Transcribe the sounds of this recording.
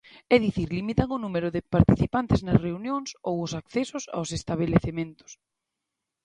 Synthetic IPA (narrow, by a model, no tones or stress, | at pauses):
ɛðiθiɾlimit̪aŋʊnumeɾʊðɪpaɾt̪iθipant̪ɪznɐsreunjoŋsowʊsakθɛsʊsa̰wsest̪aβ̞eleθemẽnt̪ʊ̥s